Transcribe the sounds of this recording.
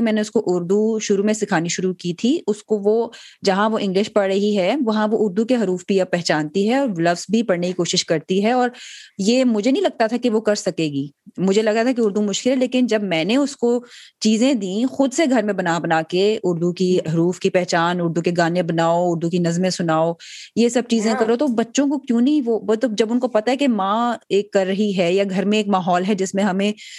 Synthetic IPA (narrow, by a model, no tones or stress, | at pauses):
mɛ̃ːneʊskoʔʊɾd̪uʃʊɾumẽsɪkʰaːniʃʊɾukiːt̪ʰiʊskoʋod͡ʒɐɦãʋoʔɪ̃ŋɡlɪʃpɐɽɾəɦiɦɛʋɐɦãʋoʔʊɾd̪ukeɦɐɾuːfpijapɛɦt͡ʃaːnt̪iɦɛɔːɾlɐfzbʱipɐɽnekikoːʃɪʃkɐɾt̪iɦɛɔːɾjeːmʊd͡ʒʱenɐɦĩlɐɡ̚t̪at̪ʰakiʋokɐɾsɐkeːɡiːmʊd͡ʒʱelɐɡat̪ʰakeʊɾd̪umʊʃkɪlɦɛleːkɪnd͡ʒɐbmɛ̃ːneʊskot͡ʃiːzẽd̪ĩːxʊd̪seɡʱɐɾmẽbɐnaːbɐnaːkeʊɾd̪ukiɦɾuːfkipɛɦt͡ʃaːnʊɾd̪ũkeɡaːnẽbɐnaːoʊɾd̪ukinɐzmẽsʊnaːojesɐb̚t͡ʃiːzẽkɐɾot̪obɐtːʃõk̬okjũːnɐɦĩʋoot̪od͡ʒɐbʊnkopɐt̪aɦɛkemãːeːkːɐɾːɐɦiɦɛjaɡʱɐɾmẽeːkmaːɦɔːlɦɛd͡ʒɪsmẽɦɐmẽ